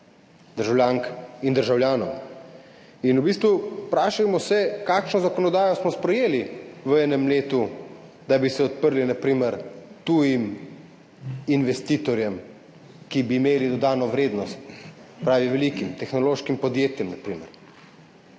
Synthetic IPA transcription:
d̪əɾʒawlʲjaːŋkind̪əɾʒawlʲjaːnɔ̰w | inubist̪ʋupɾaːʃajmɔsɛkaːkʃnɔzakɔnɔd̪aːjɔsmɔspɾɛjeːliʋəɛːnɛmleːt̪u | d̪abisɛɔt̪pəɾlinapɾiːməɾt̪ujim | inʋɛst̪iːt̪ɔɾjɛm | kibiːmeːlid̪ɔd̪aːnɔʋɾeːd̪nɔst̪̚pɾaːʋiʋɛlikimt̪ɛxnɔloːʃkimpɔd̪jeːt̪jɛmnapɾiːmə̰ɾ

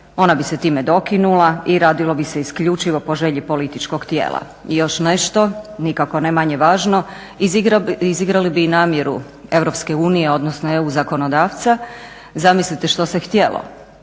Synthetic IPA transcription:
o̞nabiset̪iːmed̪o̞kinulaiɾaːd̪ilˠobiseiskʎut͡ʃiʋo̞po̞ʒe̞ʎipo̞lit̪it͡ʃko̞ɡt̪jḛːlˠa̰ | ijo̞ʃne̞ʃt̪o̞nikako̞nemaɲe̞ʋaːʒno̞ | iziɡɾalibiːnaːmjeɾṵ | e̞ʋɾo̞pske̞uːnije̞o̞d̪nosnoe̞uzako̞nod̪aːʋt̪sa | zamislit̪eʃt̪osext̪je̞lˠo̰

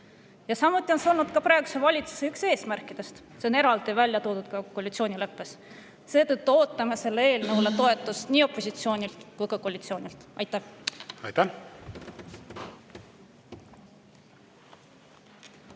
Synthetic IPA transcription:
jɑsɑmut̪ːˑio̞nseo̞lnud̪̚kɑpɾɑe̞ɡu̥sevɑlʲit̪su̥se̞ykse̞ːsmærkːˑid̪̥e̞st̪ | seone̞ɾɑld̪̥ivælʲjɑt̪oːd̪ut̪̚kɑkolʲit̪sio̞ːnʲile̞pːe̞s | se̞ːt̪ɤt̪ːuo̞ːt̪ːˑɑmese̞lːee̞ːlnevlet̪o̞e̞t̪ːˑust̪niːo̞pːˑo̞sʲit̪sio̞ːnʲilt̪kujkɑkoːlʲit̪sio̞ːnʲilt̪ʔɑjt̪ːæhɑ̰jt̪æ

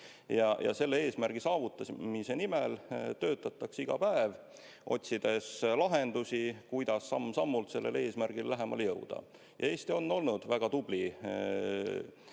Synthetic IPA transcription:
jɑjɑ̰se̞lːee̞ːsmæɾɡ̥isɑːvut̪ˑːɑsmisenimɛlt̪ø̞ːt̪ˑːɑt̪ːˑɑksiɡ̥ɑpæev | ʔo̞̰t̪ʲsid̪̥e̞slɑɦe̞nd̪̥usʲikujd̪̥ɑsːɑmːsɑmːult̪se̞lːe̞̰le̞ːsmærɡ̥ilːæɦe̞mɑ̰ljɤwd̪̥ɑ̰ | jɑe̞ːst̪io̞nːo̞lnud̪̥væɡ̥ɑt̪ub̥li

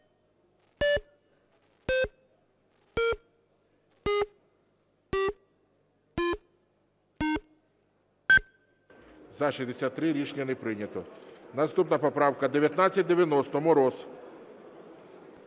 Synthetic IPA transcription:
zɐʃizʲd̪esʲat̪ːɾɪɾʲit͡ʃnʲɐnɛpɾɪnʲɐt̪ɔnɐst̪upnɐpɔpɾɑwkɐd̪eʋjɐt̪nat͡sʲːɐt̚ʲd̪eʋʲjɐnɔst̪ɔmʊɾɔs

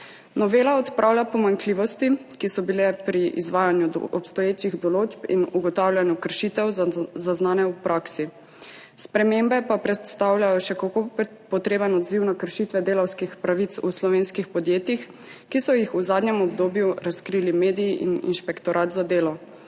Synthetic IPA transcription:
nɔʋeːlaɔt̪pɾʔaːwlʲjapɔmaŋkliːʋɔst̪ikisɔbilɛpɾiʔḭzʋaːjanjuɔpst̪ɔjeːt͡ʃiɣd̪ɔloːd͡ʒpḭnuɡɔt̪aːwlʲjʲanjukəɾʃit̪ɛwzaznaːnɛupɾʔaːksi | spɾɛmembɛpapɾɛt̪st̪aːwlʲjajɔʃɛkako | pɔt̪ɾeːbənɔd̪ziwnakəɾʃit̪ʋɛd̪eːlawskixpɾaʋit̪sṵslɔʋeːnskixpɔd̪jeːt̪jix | kisɔjixuzaːd̪nɲɛmɔbd̪oːbjuɾaskɾilimeːd̪ijiʔḭnḭnʃpɛkt̪ɔɾʔaːt̪zad̪eːlɔ

